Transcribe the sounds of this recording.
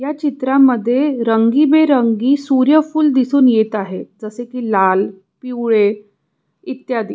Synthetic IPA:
jat͡ɕit̪ɾamːəd̪ʱːjeɾəŋɡibeɾəŋɡiːsuɾjəfuːld̪isuːnjet̪aɦed͡zəsekiːlal | piwɭe | it̪jad̪i

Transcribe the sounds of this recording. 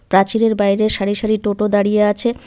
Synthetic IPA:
pɾat͡ɕileɾbajɾeʃaɾiʃaɾiʈoʈod̪aɽijeat͡ɕʰe

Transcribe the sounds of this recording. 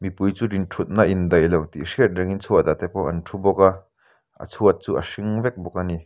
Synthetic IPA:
mipujt͡suːdinʈʰut̪̚naʔind̪ɐjlowt̪iʔʂiət̪̚rɛŋint͡sʰuɐt̪at̪ɛpɔwʔɐ̰ntʰubɔka | ʔɐ̰t͡sʰuət̪̚t͡suːʔɐ̰ʂiŋvɛk̚bɔkani

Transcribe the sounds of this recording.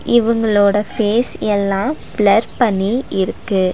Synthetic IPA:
ɪʋɐŋɡɐɭoːɽɐfeːsɛlːãːfɪɭɐɾpɐɳːiʔɪɾɯkːɯ

